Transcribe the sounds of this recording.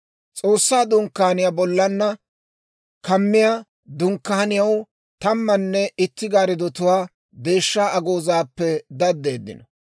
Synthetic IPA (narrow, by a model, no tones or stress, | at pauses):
t͡sʼo̞ːsːaːd̪ʊŋkːahnɪjabɔlːɐnːɐ | kɐmːɪjaː | d̪ʊŋkːaɐnɪjɐw | t̪ɐmːɐnːɛɪt̪ːɪɡaːɾɪd̪ɔt̪ʊwaː | d̪e̞ːʃːaːɐɡo̞ːzaːpːɛd̪ɐd̪ːe̞ːd̪ːɪ̰nɔ